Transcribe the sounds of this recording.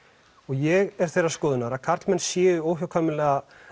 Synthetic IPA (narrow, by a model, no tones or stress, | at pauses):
ɔɣjɛɣɛɾ̥θejrːaskɔːðʏnaɾakʰaɾt̪lmɛnsjɛːðʏoːwhawkʰamɪlɛːɣa